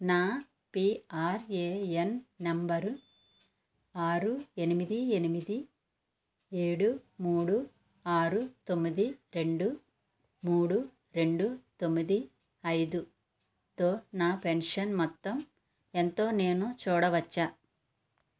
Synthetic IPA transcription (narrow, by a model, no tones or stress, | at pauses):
naː | piːaːɾeːenːɐmbɐɾ | aːɾue̞nimid̪ienimid̪i | e̞ːɽumuːɽu | aːɾut̪o̞mːid̪iɾe̞ɳɖu | muːɽu | ɾe̞ɳɖut̪o̞mːid̪i | ɐjd̪u | t̪oːnaːpenʂɐnmɔt̪ːɐm | ent̪o̞ːne̞ːnut͡ʃuːɽɐʋɐt͡ʃːaː